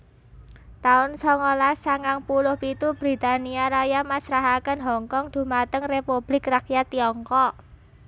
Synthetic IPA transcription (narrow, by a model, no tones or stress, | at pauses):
t̪aʊnsɔŋɔlasaŋaŋpulʊhpit̪ubɾi̤t̪aniaɾajamasɾaɦakənɦɔŋkɔŋd̪̥ṳmat̪əŋrepub̥lɪkrakjat̪iɔŋkɔʔ